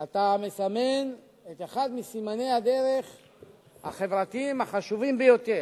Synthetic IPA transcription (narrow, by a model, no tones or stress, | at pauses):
at̪amesame̞n | et̪eχad̪misimane̞jhad̪e̞ʁe̞χ | ha̰χe̞vʁat̪iimaχaʃuvimbejo̞t̪e̞ʁ